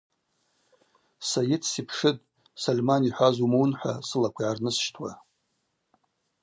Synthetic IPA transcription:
sajɪtʰsipʰʂɨtʼ | salʲmaniħʷazumownħʷa̰sɨlakʷʰajʕarnɨsʃtʰwa

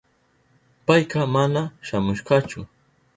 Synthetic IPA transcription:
pajkɑmanaʃamʊʃɢɑt͡ʃʊ

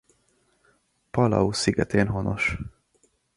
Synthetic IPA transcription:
pɒlɒ̰usiɡɛt̪eːnɦono̞̰ʃ

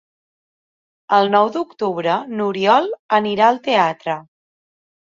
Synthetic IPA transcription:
əlˠnɔwd̪ukt̪uβɾənuɾiɔlˠəniɾaəlˠt̪eat̪ɾə

